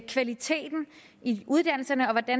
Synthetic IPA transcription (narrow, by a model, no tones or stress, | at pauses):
kʰʋælit͡sʰe̝̰ːd̥n̩ | iʔuð̞ˠd̥æn̰l̩sɐnəɒ̽ʋɒd̥æn